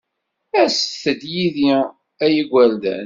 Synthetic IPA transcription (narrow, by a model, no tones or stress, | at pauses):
æsθəd̪jiði | æjəɡʷæld̪æ̰n